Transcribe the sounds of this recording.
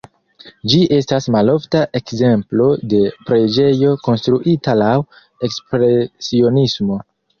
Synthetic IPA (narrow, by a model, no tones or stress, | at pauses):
d͡ʒiʔe̞stasmalo̞ftaʔe̞kze̞mplo̞de̞pɾe̞d͡ʒe̞jo̞ko̞nstɾuʔitalaw | e̞kspɾe̞sio̞nismo̞